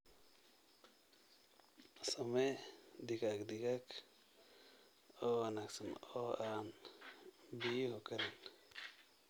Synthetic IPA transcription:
somed̪iɡakd̪iɡak | oanaksənoan | bihukaɾen

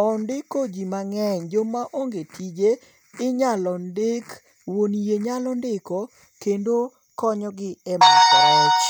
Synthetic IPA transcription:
ɔndɪkod͡ʒimaŋɛɲd͡ʒomaʔoŋɡetʰid͡ʒe | ɪɲalɔndek | wonjeɲalɔndɪko | kendo | kɔɲɔɡɪɛmaat͡ʃ

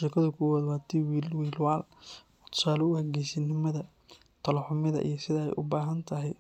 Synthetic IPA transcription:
ʃɪkʰɐðʊkʰʊwaːðwaːt̪ʰiwiːlwiːlwaːl | t̪ʰʊ̥saːlɔʊhɐɡɛsɐnɪmɐðɐ | t̪ʰɐlɔħʊmɪðɐ̰ʔḭjɞsɪðɐɛ̰jʔʊ̰baːɦɐnt̪ʰɐɦɛj

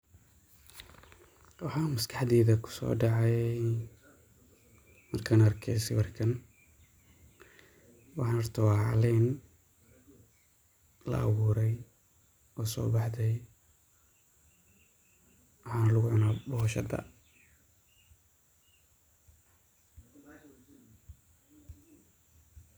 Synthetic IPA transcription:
wɑħɑːmɐskʰɑħd̪ɛːðɐkʰʊ̥sɔ̰ːɖɑʕɑj | mɐrkʰɐnɐrkʰɛjsɛ̰jwɑrkʰɐn | wɑħɑnɔrt̪ʰɔwʕɑ̰lɛn | lɐ̰ʔɑ̰wuːɾɛj | ɔːsɔ̰ːbɑħd̪ɛj | wɑħɑːnlʊɣʊʕʊnaːbɔhʃɐ̰d̪ɐ̰

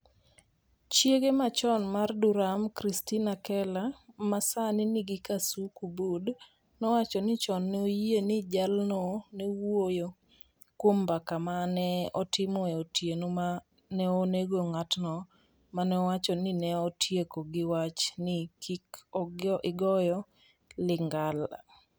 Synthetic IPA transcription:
t͡ʃjeɡemat͡ʃɔnmarduɾamkɾistinakɛlamasanɪnɪɡɪkasukubud | nɔwat͡ʃɔnɪt͡ʃɔnːojenɪd͡ʒalnɔnewojo | kwombakamanɛɔtɪmɔɛotjenoma | nɛoneɡoŋatnɔ | manɛɔwat͡ʃɔnɪnɛɔtʰjekoɡɪwat͡ʃnɪkʰikʔɪɡɔjɔ | lɪŋɡala̰

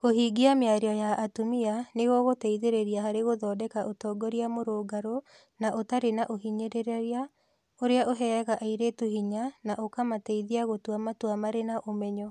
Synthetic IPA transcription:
ɣoɦiːɡiameaɾiɔjaʔːtumianeɣɔɣotɛiðeɾeɾiaɦaɾeɣoðɔːdɛkaʔotɔːɡɔɾiamoɾoːɡaɾo | naʔotaɾenaʔoɦiɲeɾeɾaɾia | oɾeaʔoɦɛɣaʔaiɾetuhiɲanaʔokamatɛiðiaɣotwamatwamaɾenaʔomɛɲɔ

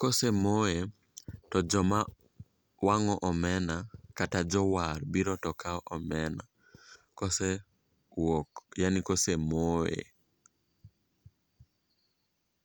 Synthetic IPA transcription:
kɔsɛmoe | tɔd͡ʒɔma | waŋɔʔɔmɛnakatad͡ʒɔwaɾbiɾɔtɔkʰaɔʔɔmɛna̰ | kɔsɛ | wɔkjanikosemoḛ

